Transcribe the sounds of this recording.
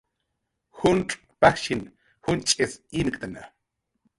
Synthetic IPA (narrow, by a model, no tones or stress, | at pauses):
xunʈ͡ʂʼ | paxʃin | hunt͡ʃʼesinkʼt̪ana̰